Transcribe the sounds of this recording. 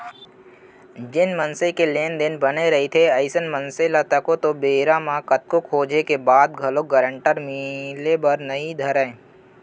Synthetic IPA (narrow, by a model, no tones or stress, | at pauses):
d͡ʒɪnmənsekeleːnd̪ɪnbɐneɾɐɦit̪ʰeɐɪsənmə̃nselət̪ɐkot̪obeːɾamãkət̪̚kʊkʰɦoːd͡ʒekebaːd̪ɡʱɐloɡəɾə̃ɳʈəɾmilebɐɾnɐid̪ʱɐɾɛ̃ː